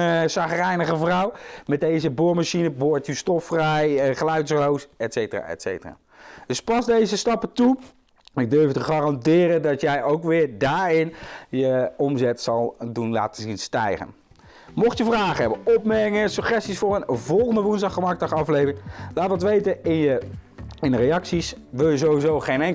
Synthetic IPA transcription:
saχərɛjnəχəvrɔwmɛt̚dejzəbʊːɹmaʃinəbʊɹtystɔfrɛjχəlœɥtsrowsɛtsejtəra̰ːɛ̰tsḛjtəra̰ː | d̥ɵspɑzdejzəstɑpətu | ɪɡ̚døɹftəχaːrɑndɪːɾədɑtjɛjowkʋɪːɹdaːɹɪnjəɔmzɛtsɑlˠdunla̰ːtənzinstɛjχə̰n | mɔχtjəvraːχəɦɛbənɔp̚mɛŋəsyχɛstisfʊːrənvɔlˠχəndəʋunzdɑχəmɑɹk̚dɑχɑflejvɪŋlaːtʋɑtʋejtəɪnjə | ɪnərejɑksisʋɪlˠjəzowizowχejnɛŋ

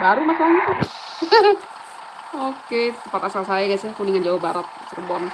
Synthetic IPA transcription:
baɾumasalɲa | oket̪əmpat̪asalsajakasakuniŋand͡ʒawabaɾat̪̚sərbɔn

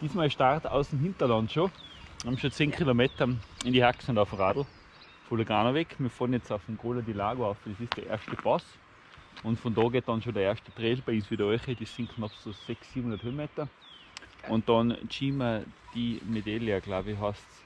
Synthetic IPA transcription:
d̥iːsmɑːlʃtaʁta̰ʊsmɦɪntɐlɑntʃo̥hɑmʃot͡seːnkʰilomeːtɐɪndihaksʊ̃ndaʊfmʁaːdl̩ | foləɡʁaːnoʋɛkʰmiːɐfodnjɛt͡saʊfmɡoːlɐdilaːɡoaʊfd̥esɪsd̥eɐʔeːɐʃtəpɑs | ʊntfɔndɑːɡeːt̚d̥ɑnʃodeɐeɐʃtə̥t̪ʁeːlb̥aɪinsʋiːdɐœʏχədesːɪnkʰnɑpsosɛksːiːbm̩hũndɐəthøːmeːtɐ | ʔʊnt̚d̥ɑnt͡ʃiːmɐd̥imedeljaɡ̥laʊbiɦɑsts

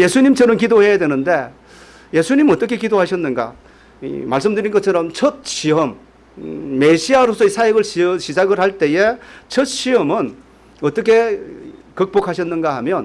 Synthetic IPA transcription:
je̞sʰuɲimt͡ɕʰʌɾʌnkidohe̞jadwe̞nɯnde̞ | je̞sʰuɲimnʌt͈ʌkʰe̞kidoɦaɕʰʌnːɯnɡa̰ | ḭmaɭs͈ɯmdɯɾinɡʌt̚t͡ɕʰʌɾʌmt͡ɕʰʌt̚ɕiʌmː | eɕʰiaɾosʰʌisʰaeɡɯɭɕɕid͡ʑaɡɯɾɦaɭt͈e̞je̞t͡ɕʰʌt̚ɕ͈ʰiʌmɯn | ʌt͈ʌkʰe̞ | kɯk̚p͈ok̚ʰaɕʰʌnːɯnɡaɦamjʌn

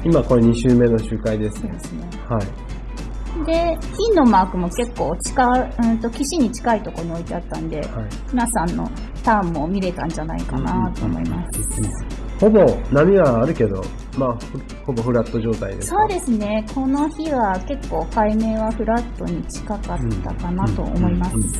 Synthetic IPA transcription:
imako̞ɾeɲ̟iɕɨːme̞no̞ɕɨːkaid̪e̞sɨ̥od̪esɨne̞hai | d̪e̞çinːo̞maːkɯ̟mo̞ke̞kːo̞ːt͡ɕi̥kaɯ̟̃ːnt̪o̞kʲiɕiɲ̟it͡ɕi̥kait̪o̞ko̞ɲ̟io̞it̪e̞at̪ːãnd̪e̞haimʲinasãnːo̞̰ | t̪ãmːo̞mʲiɾe̞t̪ãɲ̟d͡ʑana̰ika̰nat̪o̰ːmo̞̰ḭmasɨ̥ | ho̞bo̞namʲiβaːɾɯ̟ke̞d̪o̞̰ | maːɸɯ | ho̞bo̞ɸɯ̟ɾat̪ːo̞ʑo̞ːt̪aḭd̪ḛso̞ːd̪e̞sɨne̞kʰo̞no̞çiβake̞kːo̞ːkaime̞ːβaɸɯ̟ɾat̪ːo̞ɲ̟it͡ɕi̥kakat̪ːa̰kanat̪o̞̰o̰mo̞imasɨ

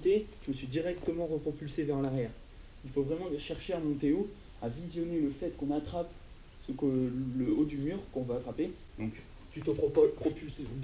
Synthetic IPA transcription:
t̪eʒəməsɥid̪iʁɛkt̪əmɑ̃ʁəpχɔpylsevɛʁlaʁjɛːʁ | ilfovʁɛmɑ̃ʃɛʁʃeamɔ̃t̪eo | avizjɔneləfɛt̪kɔ̃nat̪χap | səkələod̪ymyːʁkɔ̃vaat̪χape | d̪ɔ̃k | t̪yt̪əpɔppχɔpylse

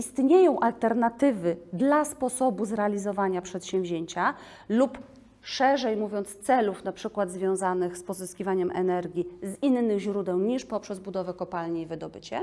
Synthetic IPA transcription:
ist̪ɲejɔ̃w̃ʔalt̪ɛɾnat̪ɘvɘd̪laspɔsɔbuzɾɛalʲizɔvaɲapʂɛt̪ɕɛ̃w̃vʲʑeɲt͡ɕa | lup | ʂɛʐɛjmuvʲɔnt̪st̪sɛlufnapʂɘkwad̪zvʲjɔ̃w̃zanɘxspɔzɘskʲivaɲɛmʔɛ̰nɛɾɡʲizinːɘɣʑɾud̪ɛw̃ɲiʂpɔpʂɛzbud̪ɔvɛkɔpalɲiivɘd̪ɔbɘt͡ɕɛ̰

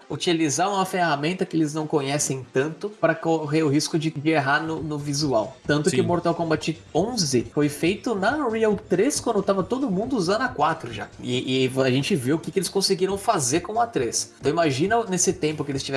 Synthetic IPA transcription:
ut͡ʃilizaɾũmɐfehamẽnt̪ɐkɪelɪznɐ̃w̃kõɲɛsẽj̃t̪ɐ̃nt̪ʊpɾɐkoɦeɾʊɦiskʊd͡ʒɪd͡ʒɪeɦanʊnʊvizuawt̪ɐ̃nt̪ʊkɪmoɾt̪awkõbat͡ʃiõzɪfojfejt̪ʊnɐʁiawt̪ɾeskwɐ̃nd̪ʊt̪avɐt̪od̪ʊmũnd̪ʊuzɐ̃nd̪ʊɐkwat̪ɾʊʒa̰ɪʔɪaʒẽnt͡ʃɪveʊkɪkɪelɪskõsɪɡiɾɐ̃w̃fazeɾkõɐt̪ɾest̪ɐ̃w̃imaʒĩnɐnesɪt̪ẽmpʊkɪelɪst͡ʃivɛ

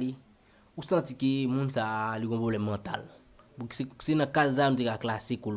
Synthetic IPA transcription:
li | usãtikemũnsaliɡɔ̃pʁoblɛmːãt̪a̰l | puki̥sesenãkazsanũt̪̬ekaklasekol

